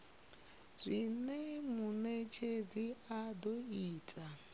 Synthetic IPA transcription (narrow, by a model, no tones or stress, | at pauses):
z̥ʷinɛmunet͡ʃʰed͡ziadɔiːtʼa